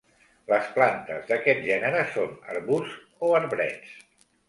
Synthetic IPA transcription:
ləsplant̪əzðəkɛt̪̚ʒɛnəɾəsonə̰ɾβuz | oəɾβɾɛ̰t͡s

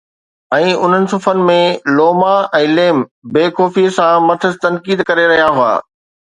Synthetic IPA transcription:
ɛ̃ːʊn̤ənɪ̆sʊfənɪ̆mẽloːmaɛ̃ːleːmbeːkɔːfisãmɐt̪ʰəzt̪ɐ̃nkiːd̪kɐɾeɾɐɦijaɦʊa̰ː

